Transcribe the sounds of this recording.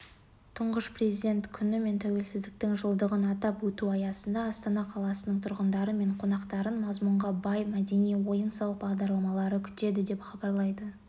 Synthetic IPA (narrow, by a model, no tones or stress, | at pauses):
t̪ʰʊɴʁəʃprʲezid̪ʲe̞nt̪kʲʰʏnɪme̞nt̪ʰæwe̞lsɪzd̪ɪk̚t̪ɪŋʒəlˠd̪əʁənɑt̪ɑpwɵt̪uɑjɑsənd̪ɑːst̪ɑnɑqʰɑlˠɑsənəɴt̪ʰʊɾʁənd̪ɑɾəme̞ɴqʰo̞nɑqt̪ɑɾənmɑzmʊɴʁɑbɑjmæd̪e̞nijwo̞jənsɑwəq̚bɑʁd̪ɑɾlˠɑmɑlˠɑɾəkʲʰʏ̥t̪e̞d̪ɪd̪e̞pχɑbɑɾlˠɑjd̪ə